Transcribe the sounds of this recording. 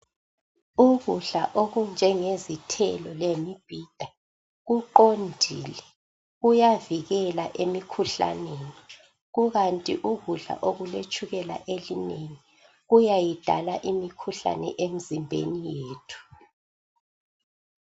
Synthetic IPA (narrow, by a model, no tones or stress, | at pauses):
uɣuɮa̰ʔoɣund͡ʒʱɛŋezitʰɛlɔlemib̥ʱid̥ʱa | ɣuǃondʱḭlɛ | ɣujaviɣɛlaʔemikʰuɬa̰neni | ɣuɣantʼiʔuɣuɮa̰ʔoɣulet͡ʃʼuɣɛla̰ʔelineŋi | ɣujajid̥ʱa̰laʔimikʰuɬa̰nɛ̰ʔem̩zimbʱḛnijeːtʰu̥